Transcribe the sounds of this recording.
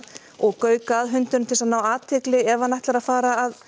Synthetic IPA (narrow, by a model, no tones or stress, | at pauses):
ɔɣkœːɥkaːðɦʏnt̪ʏnt̪ʰɪlsaðnaːwaːt̪ʰɛːklɪɛvanajht̪laɾaðfaːɾaːð